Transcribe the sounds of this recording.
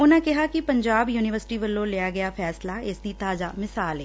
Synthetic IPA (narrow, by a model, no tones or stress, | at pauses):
ʊnãːkɪɦaːkɪpəɲd͡ʒaːbjuːnɪʋəɾsɪ̥ʈiːʋəlːõːlɪjaːɡɪjaːpʰɛːslaːɪsd̪iːt̪aːza̰ːmɪsaːlɛː